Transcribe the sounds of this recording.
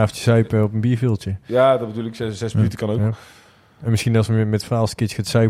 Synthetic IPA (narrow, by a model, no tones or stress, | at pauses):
aːftəsœɥpəɔpənbiːɹvɪlˠtəjaːdɔtbəduːlɪkɛzɛsmənytəkɑnowa | ɛnmɪsxinɑsəmɛtfraːlˠstkɪxaːtsœ